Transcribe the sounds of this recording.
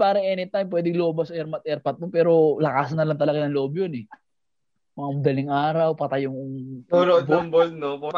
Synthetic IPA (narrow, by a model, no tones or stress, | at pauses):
paːɾɐŋʔɛnɪt̪ajmp̬wɛːd̪ɪŋloːbɐsɐɛɾmɐt̪̚ʔɛɾpɐt̪̚mopɛːɾo̞lɐkaːsɐnːɐlaŋt̪ɐlɐɡanɐŋloːbjonɛ | mɐŋamɐd̪ɐlɪŋʔaːɾɐwpɐt̪ɐjʊŋʊŋuɾobobolnomoɾ